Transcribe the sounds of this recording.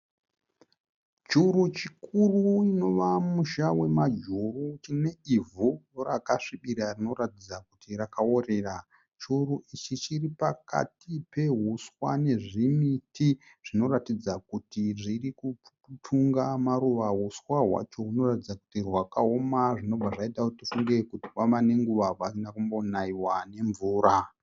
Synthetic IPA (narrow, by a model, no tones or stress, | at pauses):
t͡ʃuɾut͡ʃikuruino̞ʋamuʃawe̞mad͡ʒurut͡ʃine̞ivʱujorakaʂiɓiɾarino̞ratid͡zakutirakao̞ɾe̞ra | t͡ʃuruʔit͡ʃit͡ʃiripaka̰tipe̞ɦuswa̰ne̞ʐimiti | ʐ̥ino̞ɾatid͡zakutiʐiriku | tʰuŋɡamaɾuʋaɦuswaɦwa̰t͡ʃo̞ɦuno̞ratid͡zaku̥tirwakao̞maʐino̞b͡vaʐaitautifuŋɡe̞kuti̥kamane̞ŋɡuʋawainakumbo̞naiwane̞ɱvuːɾa